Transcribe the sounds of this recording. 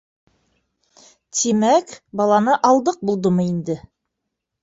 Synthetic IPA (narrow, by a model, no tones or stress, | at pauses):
t̪ʰimækbɑlˠɑnɤʔɑlˠd̪ɤq̚bulˠd̪ɤmɤind̪ɘ